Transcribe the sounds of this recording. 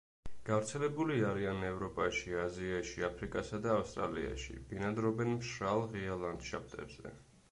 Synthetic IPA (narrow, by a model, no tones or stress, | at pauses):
ɡ̥avɾt̪sʰɛlɛbuliaɾianɛvɾɔpʼaʃiaziaʃiapʰɾikʼasad̪aːfst̪ʼɾa̰lḭa̰ʃḭbinad̪ɾɔbɛnmʃɾalˠʁialˠand̪̥ʃap̚ʰt̪ʼɛ̰ɾz̥ɛ̰